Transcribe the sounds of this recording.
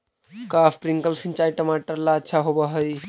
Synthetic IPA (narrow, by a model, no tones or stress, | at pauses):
kaːfpɾiŋkəlsʰĩnt͡ʃaːjʈəmaːʈəɾlaətːʃʰaɦobaɦəj